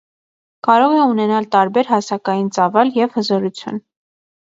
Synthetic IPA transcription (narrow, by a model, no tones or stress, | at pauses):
kɑɾɔʁɛunɛnɑlt̪ɑɾbɛɾɦɑsɑkɑjint͡sɑvɑljɛvhəzɔɾut͡sʰjṵn